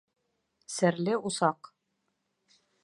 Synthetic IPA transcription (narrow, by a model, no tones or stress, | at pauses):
sɘ̆ɾlɘusɑq